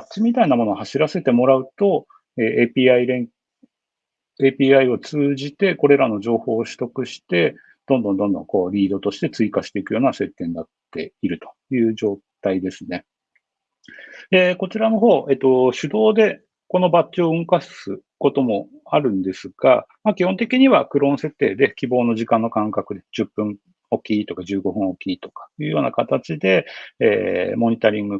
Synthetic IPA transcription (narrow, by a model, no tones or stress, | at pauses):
bat͡ɕimʲit̪ainamo̞noːhaɕiɾase̞t̪e̞mo̞ɾaɯ̟t̪o̞ | eːepʲiaiɾẽŋ | eːpʲiːaio̞t͡sɨːʑit̪e̞ko̞ɾe̞ɾano̞ʑo̞ːho̞ːɕɨ̥t̪o̞kɯ̟ɕi̥t̪e̞ | d̪̥õnd̪o̞nd̪õ̞nd̪õ̞̰ŋko̞ːɾʲiːd̪o̞t̪o̞ɕi̥t̪e̞t͡sɨikaɕi̥t̪e̞ikɯ̟jo̞ːnase̞t̪ːẽ̞nd̪at̪ːe̞̰iɾɯ̟t̪o̞̥jɯ̟ːd͡ʑo̞ːt̪aid̪e̞sɨne̞ | eko̞t͡ɕiɾano̞ɦo̞ːʔe̞t̪ːo̞ɕɨd̪o̞ːd̪e̞ | ko̞no̞batːioɯ̟̃ŋkasɨko̞t̪o̞mo̞ | aɾɯ̟̃nd̪e̞sɨɡ̥a̰makʲihont̪̬e̞kʲiɲ̟iβakɯ̟ɾõ̞ɰ̃se̞t̪ːe̞ːd̪e̞kʲibo̞ːno̞ʑikãnːo̞kãŋkakɯ̟d̪e̞d͡ʑɨpːɯ̟̃ɴ | o̞kʲiːt̪o̞kaʑɨːɡo̞ɸɯ̟̃ɰ̃o̞kʲiːt̪o̞̥kḁjɯ̟ːjo̞ːnakat̪at͡ɕid̪e̞ḛːmo̞ɲ̟it̪aɾʲĩŋɡɯ̟